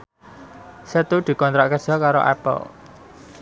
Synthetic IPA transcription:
sət̪ud̪̥i̤kɔnt̪ɾaʔkə̥d͡ʒ̥ɔkaɾo̰ʔɛ̰pə̰l

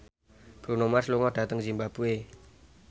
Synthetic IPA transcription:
b̥ɾunomasluŋɔɖ̥a̤t̪əŋd͡ʒimbab̥ue

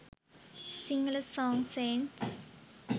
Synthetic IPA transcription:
sĩŋələsɔ̃ŋsẽnts

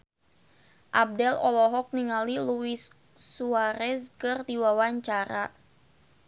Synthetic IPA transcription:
ʔab̚dɛlɔ̰lɔɦɔk̚niŋaliluisː | uaɾɛskɨrd̪iwawaɲt͡ʃaɾa

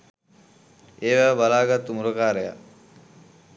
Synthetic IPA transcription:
eːʋæʋəbalaːɡat̪ːumuɾokaːɾəja̰

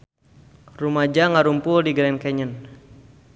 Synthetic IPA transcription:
rumad͡ʒaŋaɾumpʊldiɡɾɛnkɛɲən

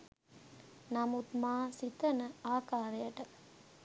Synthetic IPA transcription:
nɐmut̪maːsit̪ɐnɐaːkaːɾɐjɐʈɐ

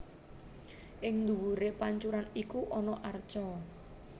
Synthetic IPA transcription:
ʔɪŋnd̪uwuɾepaɲt͡ʃuɾanikuʔɔnɔʔart͡ʃɔ

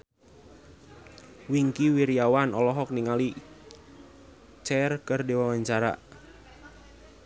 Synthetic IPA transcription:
wiŋkiwiɾiawanɔlɔɦɔk̚niŋali | t͡ʃɛrkərdewawaɲt͡ʃaɾa̰ʔ

